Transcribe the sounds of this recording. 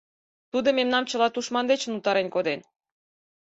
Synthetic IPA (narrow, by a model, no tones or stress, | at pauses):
t̪ud̪omemnɑmt͡ɕə̆lɑt̪uʃmɑnd̪et͡ɕə̆nut̪ɑɾenkod̪en